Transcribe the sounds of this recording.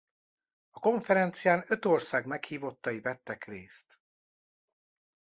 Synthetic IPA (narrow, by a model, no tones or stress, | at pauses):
ɒko̞ɱfɛɾɛnt̪sijaːnø̞t̪o̞rsaːɡmɛkhiːvo̞t̪ːɒivɛt̪ːɛkreːst̪